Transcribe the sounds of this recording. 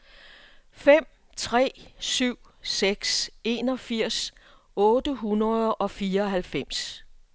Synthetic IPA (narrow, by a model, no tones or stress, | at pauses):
fem̰ | t͡sʰʁɛ̰ːsyʊ̰seɡ̥se̝ːnɒ̽fiɐ̰s | ɔ̽ːd̥əɦunɐðˠɒ̽fiːɐɒ̽ɦælfem̰s